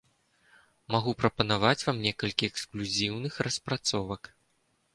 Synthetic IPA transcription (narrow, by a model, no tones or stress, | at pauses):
maɣupɾɐpɐnavat͡sʲvamnʲɛkɐlʲkʲiɛksklʲuzʲiwnɨxrɐspɾat̪sɔvɐk